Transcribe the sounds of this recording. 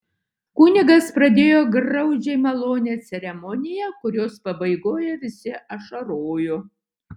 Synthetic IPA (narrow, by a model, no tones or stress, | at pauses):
kuːnʲɪɡɐspɾɐd̪ʲeːjoːɡɾɐʊd͡ʒʲɛɪmɐlˠoːnʲɛsʲɛɾʲɛmɔnʲɪjɛkʊɾʲoːspɐbɐɪɡoːjɛʋʲɪsʲɪʔɐʃɐɾoːjo